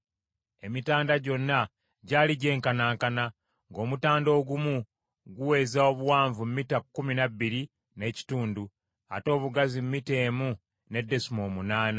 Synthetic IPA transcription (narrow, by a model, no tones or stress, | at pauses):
e̞mitaːndaɟo̞nːa | ɟaːliɟe̞ːŋkanaːŋkana | ŋɡo̞ːmutaːndo̞ːɡumu | ɡuwe̞ːzao̞βuwaːɱvummitakːuminabːiɾi | ne̞ci̥tuːndu | a̰to̞ːβuɡazimːite̞ːmu | ne̞dːe̞simo̞ːmunaːna